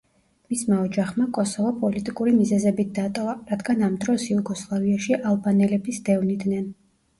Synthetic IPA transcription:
mismaɔd͡ʒaχmakʼɔsɔvɔpʼɔlit̪ʼikʼuɾimizɛzɛbit̪̚d̪̥at̪ʼɔvaɾad̪ɡanamd̪ɾɔsjuɡɔslˠaviaʃiʔalˠbanɛlɛbisd̪ɛvnid̪nɛn

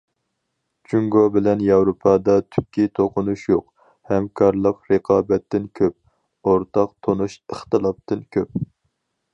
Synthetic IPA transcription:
t͡ʃʰyŋɡobɪlɛnjɑwɾopʰɑd̪ɑt̪ʰy̥kʲʰːit̪ʰoqʊnuʃjoq | hɛmkʰɑɾlˠəqɾəqʰɑːbɛt̪ːɪnkʲʰøp̚ | oɾt̪ʰɑq̚t̪ʰonuʃəχt̪ɨlˠɑp̚t̪ʰɨnkʲʰøp̚

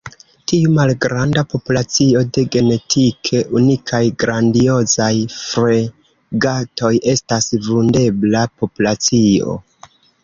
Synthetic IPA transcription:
tiumalɡɾandapo̞pulat͡sio̞de̞ɡe̞ne̞tʰikʰe̞ʔunikʰajɡɾandio̞zajfɾe̞ | ɡatʰo̞je̞stasvunde̞blapo̞pulat͡sio̞̰

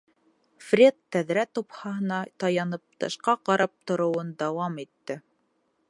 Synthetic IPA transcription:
frʲet̪ːæðɾæt̪uphɑɦɤ̆nɑt̪ɑjɑnɤp̚t̪ɤ̰̆ʃqɑqɑɾʔɑp̚t̪ŏɾŏwɤnd̪ɑwɑmit̪ːɘ

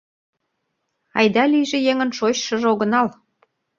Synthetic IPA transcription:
ɑ̰jd̪ɑlijʒĕjeŋə̆nʃot͡ɕʃɤə̆ʒoɣə̆nɑl

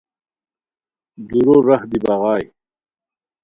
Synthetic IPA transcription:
d̪uɾoɾɐhd̪ibɑɣɑːj

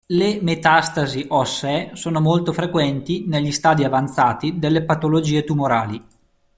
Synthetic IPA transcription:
lemet̪ast̪aziʔɔsɛsoːnomolt̪ofɾekwɛnt̪ineʎːist̪aːd̪iavant̪saːt̪id̪elːepat̪olod͡ʒiːet̪umoɾaːli

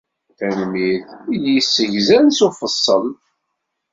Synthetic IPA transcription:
θænmiθjisːəʝzænsufəsˤːəl

